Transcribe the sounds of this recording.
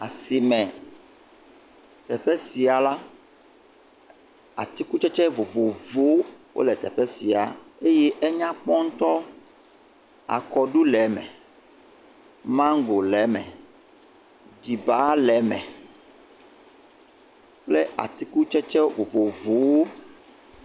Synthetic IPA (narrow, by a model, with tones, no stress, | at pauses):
a˨si˨mɛ̃˨ | t̪ɛ˨ɸɛ˦si˨a˨la˦ | a̰˨t̪i˦ku˦t͡ʃɛ˦t͡ʃɛ˦vo˨vo˨vo˦wʔo̰˦lɛ˨t̪ɛ̰˨ɸɛ˦si˨a˨e˦jɛ˦ʔɛ˦ɲã˦k͡pɔ˦ŋ̩˦t̪ɔ˦ | a̰˨kɔ˨ɖu˦lɛ˨˦mɛ̰̃˨ | mã˦ŋ˦ɡo˨lɛ˨˦mɛ̰̃˨ | ɖi˨ba˨˦lɛ˨˦mɛ̰̃˨ | k͡ple˦ʔa̰˨t̪i˦ku˦t͡ʃɛ˦t͡ʃɛ˦vo˨vo˨vo˨˦wo˦